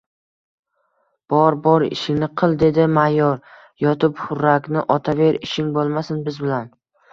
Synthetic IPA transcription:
b̥ɒɾbɒɾɪ̰ʃɪnɪqʰɨlˠd̪e̞d̪ɪmajɒɾ | jɒt̪ʰɪphʊɾakʲnɪʔɒt̪ʰave̞ɾɪʃɪŋbolˠmasɪnbɪzbɪlan

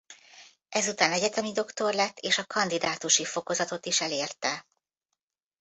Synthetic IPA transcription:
ɛzut̪aːnɛɟɛt̪ɛmid̪o̞kt̪o̞rlɛt̪ːeːʃɒkɒnd̪id̪aːt̪uʃifo̞ko̞zɒt̪o̞t̪iʃɛleːrt̪ɛ

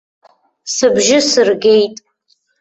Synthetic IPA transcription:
sɨbʒɪsɨrɡʲejtʼ

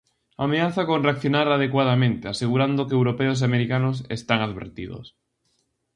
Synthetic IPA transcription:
ameaθakonreakθjonaɾað̞ekwað̞amẽnt̪easeɣ̞uɾand̪okeːwɾopɛos̬ameɾikanos̬ḛst̪aŋaðβḛɾt̪ḭðo̰s

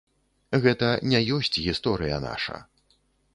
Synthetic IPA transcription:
ɣɛt̪ɐnʲɛjɔsʲt͡sʲɣʲist̪ɔɾɨjɐ̰na̰ʂɐ̰

